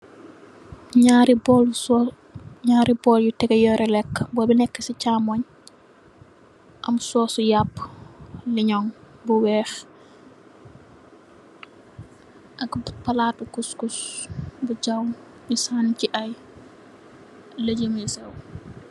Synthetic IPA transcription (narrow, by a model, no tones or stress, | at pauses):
ɲaɾbɔl | ɲaːɾibɔːljutɛɡɛjɔɾɛlɛkːbɔːbinɛkːəsicaːmɔɲ | ʔɐmsɔːsujapː | liɲɔŋbuwɛːx | ʔɐkbpɐlatukuskusbuɟawm | misaːnciʔɐj | ləɟəmisɛw